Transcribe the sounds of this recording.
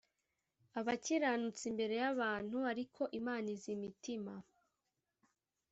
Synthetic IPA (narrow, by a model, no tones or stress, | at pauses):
aβaciɾanut͡simbe̞ɾe̞jaβaːn̥huaɾikʰo̞ʔimaːnizimitima